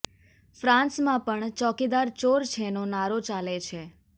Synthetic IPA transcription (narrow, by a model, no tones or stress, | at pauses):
fɾãnsmãpəɳt͡ʃɔkid̪aɾt͡ʃoɾt͡ʃʰenõnaɾot͡ʃalet͡ʃʰe